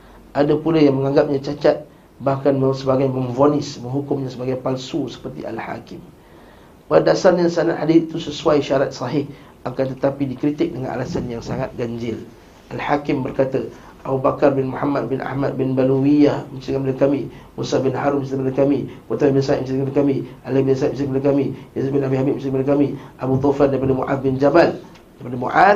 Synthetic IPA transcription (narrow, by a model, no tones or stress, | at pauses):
ʔadəpulajaŋməŋãŋɡap̚ɲat͡ʃat͡ʃat̪̚ | bahkanməsəbaɡajməmvonɪsməŋɦukʊmɲasəbaɡajpalsusə̥pərt̪ḭʔa̰lha̰kɪm | paadasarɲasanaʔ̪hadɪθit̪usəsuajʃaɾat̪̚sɑɦɪh | ʔakant̪ət̪apidikɾit̪ɪk̚dəŋa̰nʔa̰lasanjaŋsaŋat̪̚ɡaɲd͡ʒɪl | ʔalhakɪmbərkat̪ə | ʔabubakarbɪnmuhamad̪̚bɪnʔa̰hmad̪̚bɪnbaluwijahmət͡ʃaiŋambadakamimusabɪnhaɾumt͡ʃimadakamikot̪ɾabɪnsaatmət͡ʃidŋaəkamiʔalibɪnsamt͡ʃikamadəkamijazbɪnabiɦabimət͡ʃikamadəkamiʔabut̪ɔfardaipadəmṵʔa̰d̪̚bɪnd͡ʒabal | daipadəmṵʔa